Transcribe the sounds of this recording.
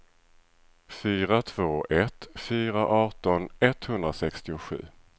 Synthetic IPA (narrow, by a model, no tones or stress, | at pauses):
fyːɾat̪ʰv̥oːɛt̪fyːɾaʔɑːʈɔnɛt̪hɵnd̪ɾasɛkst̪ɪʊɧʉ̟̰ː